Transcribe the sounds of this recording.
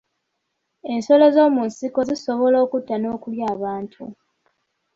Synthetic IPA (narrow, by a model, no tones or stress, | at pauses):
e̞nso̞le̞zo̞ːmunsiko̞ziso̞βo̞lo̞ːkutːano̞ːkuljaːβaːntʰṵ